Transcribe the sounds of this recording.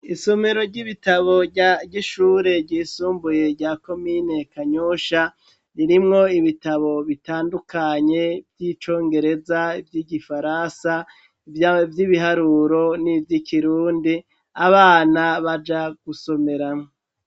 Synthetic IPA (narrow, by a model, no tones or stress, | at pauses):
isome̞ɾo̞ɾɟiβitaβo̞ɟaɟiʃuːɾe̞ɾɟiːsuːmbuje̞ɾɟako̞mine̞kaɲuʃa | ɾiɾimŋo̞iβitaβo̞βitaːndukʰaɲe̞vjit͡ʃo̞ːŋɡe̞ɾe̞zaivjiɟifaɾansa | vjiβiɦaɾuːɾo̞nivjikʰiɾuːndi | aβaːnaβad͡ʒaɡ̥uso̞me̞ɾamŋo